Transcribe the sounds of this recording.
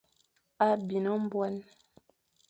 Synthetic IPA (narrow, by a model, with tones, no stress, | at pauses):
a˦bi˨nɔ˦m̩˦bwɛ˦n